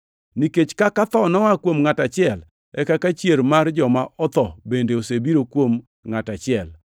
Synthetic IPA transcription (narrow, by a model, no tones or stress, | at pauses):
niket͡ʃkakat̪ɔnɔwakwomŋatat͡ʃɪɛl | ɛkakat͡ʃjeɾmard͡ʒɔmaʔɔt̪ɔbendeosebiɾokwom | ŋatat͡ʃɪɛl